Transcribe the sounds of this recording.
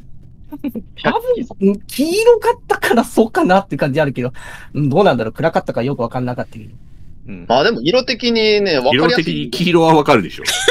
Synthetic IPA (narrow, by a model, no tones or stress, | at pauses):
t̪abɯ̟̃ɴɯ̃kʲiːɾokat̪ːakaɾaso̞ːkanat̪ːeiɯ̟kãɲd͡ʑiaɾɯ̟ke̞d̪o̞ɯ̟̃ːd̪o̞ːnãnd̪aɾo̞ːkɯ̟ɾakat̪ːakajo̞kɯ̟βakannakat̪ːae | ɯ̟̃ɴmaːd̪e̞moiɾo̞t̪e̞kʲiɲ̟ine̞βaiɾoaɾijaekʲiɲ̟ikʲʰiːɾo̞βaβakaɾɯ̟d̪e̞ɕo̰